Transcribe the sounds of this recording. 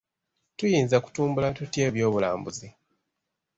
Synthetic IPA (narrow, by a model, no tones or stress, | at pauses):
tujiːnzaku̥tuːmbulatutje̞ːβjo̞ːβula̰ːmbuzi